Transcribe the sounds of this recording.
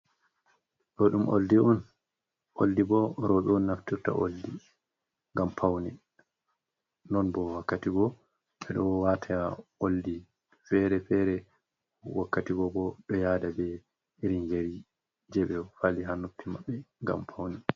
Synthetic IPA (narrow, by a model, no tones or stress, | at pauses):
ɗɔɗumʔo̰ldiɔn | ʔoldibɔɾɔɓɛnːaftiɾta̰ʔo̰ldi | ŋɡampʰawni | nɔnbɔwakːatiɡɔ | ɓɛɗɔwwatʰaaoldi | fɛɾɛfɛɾɛ | wakːatiɡɔbɔɗɔjaːdabɛ | iɾind͡ʒeɾi | d͡ʒɛɓɛfaliɦanopːimaɓːɛŋɡa̰mpʰawni